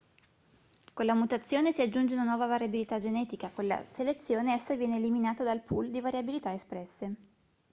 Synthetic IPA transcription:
konlamut̪at̪sːjoːnesiad͡ʒːund͡ʒeunanwɔːvavaɾjabilit̪ad͡ʒenɛːt̪ikakolːa̰selet̪sːjoːneɛsːajvjɛːneːliminaːt̪ad̪alpʰuld̪ivaɾjabilit̪aespɾɛsːe

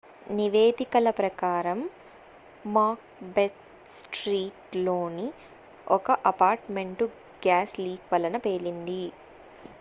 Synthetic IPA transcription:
niʋeːd̪ikɐlɐpɾɐkaːɾɐmː | aːk̚bet̪ | sʈɾiːʈloːni | ɔkɐʔɐpaːɾʈme̞ɳʈu | ɡjaːsliːkʋɐlɐnɐpeːlind̪i

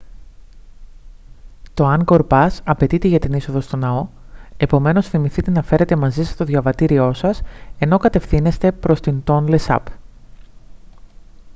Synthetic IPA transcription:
t̪o̞ɐŋɡo̞ɾpɐsɐpe̞t̪it̪e̞ʝɐt̪iniso̞ðo̞st̪o̞nɐo̞e̞po̞me̞no̞sθimiθit̪e̞nɐfe̞ɾe̞t̪emɐzisest̪o̞ðʝɐvɐt̪iɾio̞sɐse̞no̞kɐt̪e̞fθine̞st̪e̞pɾo̞st̪int̪o̞nle̞sɐ̰p

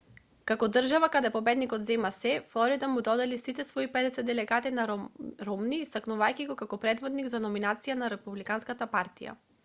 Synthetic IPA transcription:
kakɔd̪r̩ʒavakad̪ɛpɔbɛd̪nikɔd̪zɛmasɛfɔɾid̪amud̪ɔd̪ɛlisit̪ɛsvɔipɛd̪ɛsɛd̪ɛlɛɡat̪inaɾɾɔmniːst̪aknuvajkiɡɔkakɔpɾɛd̪vɔd̪niɡzanɔminat̪sijanaɾɛpublikanskat̪apaɾt̪ḭja̰

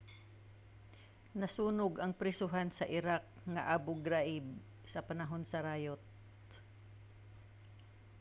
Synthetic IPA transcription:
nɐsuːnʊɡɐŋpɾɛsʊɦansɐʔɪɾak̚ŋɐʔabʊɡɾaʔɪb | sɐpɐnɐɦonsɐɾaːjot̪̚

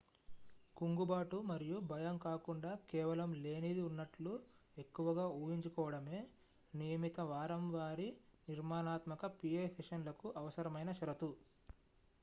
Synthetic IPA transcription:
kuŋɡubaːʈumɐɾijubʱɐjɐmkaːkuɳɖaːkɛːʋɐlɐmle̞ːnid̪iunːɐʈlue̞kːuʋɐɡaːuːjiɲt͡ʃukɔːʋɐɽɐme̞ː | nijɐmit̪ɐʋaːɾɐmʋaːɾiniɾmaːnaːt̪mɐkɐpieseʂɐnlɐkuʔɐʋɐsɐɾɐmɐjnɐʃɐɾɐt̪u

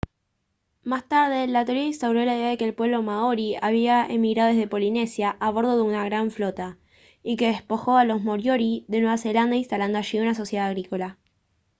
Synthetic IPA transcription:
mast̪aɾð̞e̞lat̪oɾjaĩnst̪awɾo̞laiðeaðekeːlpwe̞βlo̞maoɾiaβiaḛmiɣɾaðezðe̞po̞line̞sjaʔːβo̞ɾð̞o̞ðeunaɣɾaɱflo̞t̪a | ike̞ðespoxo̞alo̞smoɾjoɾiðe̞nwe̞β̞ase̞land̪ainst̪aland̪oaʃiunaso̞sjeðaðaɣɾiko̞la

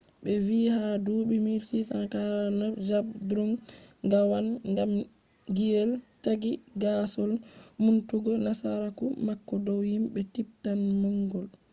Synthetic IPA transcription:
ɓɛviːhaduːɓimiɾsisankaɾanad͡ʒabdɾuŋɡawanŋɡam | ɡijɛltaɡiɡasɔlmuntuɡɔnasaɾakumakːɔdɔwjimɓɛtip̚tanmaŋɡɔl

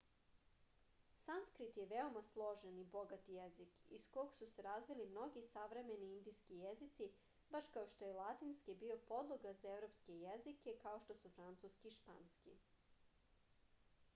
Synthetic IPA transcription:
sanskɾit̪jeʋeo̞maslˠo̞ʒenibo̞ɡat̪ijezikḭsko̞ɡsuse̞ɾazʋilimno̞ɡisaʋɾe̞me̞niind̪ijskijezit̪si | baʃkaoʃt̪o̞jelˠat̪inskibio̞po̞d̪lˠoɡazaevɾo̞pske̞jezike̞kao̞ʃt̪o̞sufɾant̪suskiːʃpa̰nskḭ

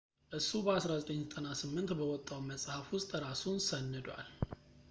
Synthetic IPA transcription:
ʔɨsːubəasɾazət̪ʼəɲːzət̪ʼənasɨmːɨnt̪bəwɔt̪ʼːawməsʼhəfwʊst̪ʼɾasunsənːɨd̪wa̰l

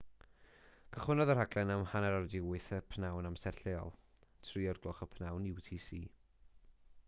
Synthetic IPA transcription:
kʰəχwɪnɔðərhaɡlɛnamhanɛɾawdɪʊɨθəpʰnawnamsɛrɬeɔ̰lˠ | tʰriːɔrɡlˠʊχəpʰnawnuwtʰiːsiː

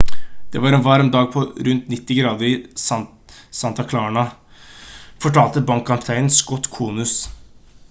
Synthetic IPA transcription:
d̪̥ɛʋɑːɾɛnʋɑɾɔmd̪ɑːɡ̚pʰɔɾʉnt̪nɪt̪ːɪɡɾɑːd̪əɾɪsɑ | sɑnt̪ɑkʰlɑːɳɑ | fɔʈʰɑːlt̪əbɑŋkːɑpt̪ʰæɪənsɡɔt̪ːkʰuːnʉs

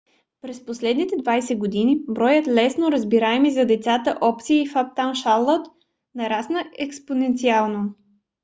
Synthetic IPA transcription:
pɾɛsposlɛd̪nit̪ɛd̪vajsɛɡod̪inibɾɔjət̪lɛsnoɾəzbiɾaɛmizɐd̪ɛt̪sat̪əʔɔpt̪siːfap̚t̪anʃalˠːɔt̪ | nɐɾasnəɛksponɛnt̪sialˠno

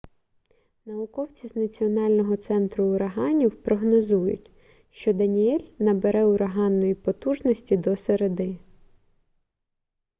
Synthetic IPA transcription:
nɐʊkɔwt͡sʲiznɐt͡sʲiɔnɑlʲnɔɦɔt̪sɛnt̪ɾʊʊɾɐɦɑnʲiwpɾɔɦnɔzujʊ̰tʲ | ʃt͡ʃɔd̪ɐnʲiɛlʲnɐbeɾɛʊɾɐɦɑnːɔjipɔt̪uʒnɔsʲtʲid̪ɔseɾed̪ɪ

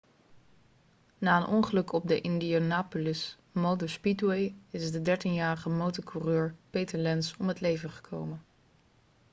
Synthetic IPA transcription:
naːənʔɔŋχəlɵkɔb̚dəʔɪndionaːpolɪs | mowdospitwejɪzdədɛɹtinjaːɾəχəmowtɔɹkʰurøːɹpejtəɹlɛnsɔmɦətlejvəχə̥kʰowmən

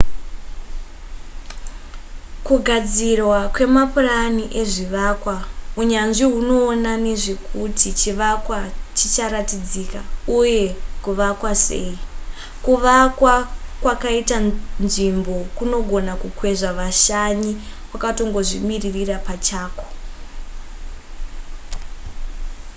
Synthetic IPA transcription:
kuɡʱad͡zirwakwe̞mapuraniʔe̞ʐiʋakwauɲanʐiɦuno̞ːnane̞ʐe̞kʰutit͡ʃiʋakwat͡ʃit͡ʃaɾatid͡zikauje̞kuʋakwase̞̰ːi | kuʋakwakwakaitanʐimbo̞kuno̞ɡʱo̞nakukwe̞ʐaʋaʃaɲikwakato̞ŋɡo̞ʐimiririrapat͡ʃaːko̥

